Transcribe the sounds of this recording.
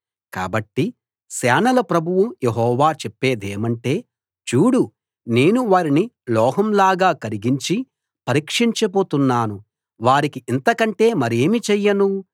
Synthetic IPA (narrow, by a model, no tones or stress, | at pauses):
ka̰ːbɐʈːi | sɛːnɐlɐpɾɐbʱuwujeɦɔːʋaːt͡ʃepːe̞ːd̪eːmɐɳʈe̞ː | t͡ʃuːɽu | ne̞ːnuʋaːɾinilɔːɦɐmlaːɡaːkɐɾiɡiɲt͡ʃi | pɐɾiːkʂiɲt͡ʃɐp̬oːt̪unːaːnu | ʋaːɾikiʔːnt̪ɐkɐɳʈe̞ːmɐɾeːmit͡ʃɛjːɐnu